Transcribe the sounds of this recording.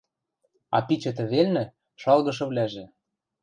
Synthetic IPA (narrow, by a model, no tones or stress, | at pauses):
ɑ̰pit͡ɕɤ̆t̪̬ɘ̆βelnɘ̆ | ʃɑlɣɤ̆ʃ̬ɤ̆βlæʒĕ